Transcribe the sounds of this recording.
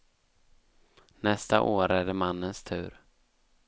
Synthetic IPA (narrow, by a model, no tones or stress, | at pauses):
nɛst̪a̰ʔoːɾæɖɛmanːənst̪ʰʉ̟̰ːɾ